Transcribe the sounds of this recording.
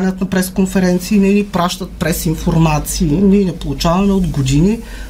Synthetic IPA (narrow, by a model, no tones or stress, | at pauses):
nʲət̪nɐpɾɛskonfɛɾɛnt̪siːnɛnipɾaʃt̪ət̪̚pɾɛsinfoɾmat̪siːninɛpolˠut͡ʃavɐmɛod̪ɡod̪ini